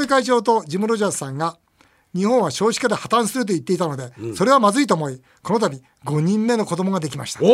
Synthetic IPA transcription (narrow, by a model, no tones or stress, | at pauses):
ikait͡ɕo̞ːt̪̬o̞d͡ʑimɯ̟ɾo̞ʑasãŋɡa | ɲ̟ihõɰ̃aɕo̞ːɕi̥kad̪e̞hat̪ãɰ̃sɨɾɯ̟t̪̬o̞it̪ːe̞it̪ano̞d̪e̞so̞ɾe̞β̞amazɨit̪oːmo̞i | ko̞no̞t̪abʲi | ɡo̞ɲ̟ĩmːe̞no̞ko̞d̪o̞mo̞ɡad̪e̞kʲima̰ɕi̥t̪ḁ